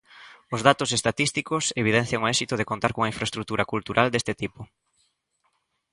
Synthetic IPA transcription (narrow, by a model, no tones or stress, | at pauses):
ʊzðat̪ʊsest̪at̪ist̪ikʊseβ̞iðɛn̟θjaŋoɛsit̪ʊð̞ekont̪aɾkoŋaĩɱfɾaest̪ɾuk̚t̪uɾɐkult̪uɾʔald̪est̪ɪt̪ipʊ